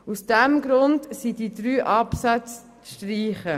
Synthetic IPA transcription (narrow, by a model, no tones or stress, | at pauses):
usd̥ɛmɡɾʊndsididɾyːʔɑpsat͡s | ʃtriːχə